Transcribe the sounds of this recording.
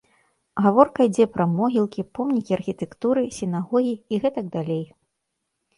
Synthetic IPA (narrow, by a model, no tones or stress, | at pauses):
ɣavɔrkɐid͡zʲɛpɾɐmɔɣʲilˠkʲipɔmnʲikʲiɐrxʲit̪ɛkt̪uɾɨsʲinaɣɔɣʲiːɣɛt̪ɐɡ̚d̪alʲej